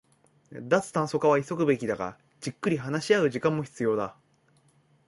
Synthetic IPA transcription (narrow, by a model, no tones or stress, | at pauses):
d̪at͡sɨ̥t̪ãɰ̃so̞kaβaiso̞kɯ̟be̞kʲid̪aɡa̰ | d͡ʑikːɯ̟ɾʲiɦanaɕiaɯ̟ʑikãmːoçi̥t͡sɨjo̞ːd̪a